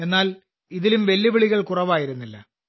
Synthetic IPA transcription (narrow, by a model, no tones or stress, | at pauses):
e̞nːaːl | iðilumʋe̞lːiʋiɭiɣɐɭkurɐʋaːjiɾunːilːɐ̰